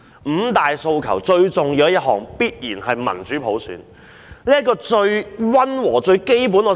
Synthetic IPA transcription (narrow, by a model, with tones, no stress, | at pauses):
m̩ː˨˧˥t̪aː˨jso˧wkʰɐ̰˨˩wt͡sɵ˧ɥt͡sʊ˨ŋjiː˧wjɐ˥t̚hɔ̰ː˨˩ŋpiː˥t̚jiː˨˩nhɐ˨jmɐ̰˨˩nt͡ʃyː˨˥pʰo˨˥wsy̰ː˨˥n | liː˥ɐ˥kːɔː˧t͡ʃɵ˧ɥwɐ˥nwɔː˨˩t͡sɵ˧ɥke˥jpuː˨˥nɔː˨˧˥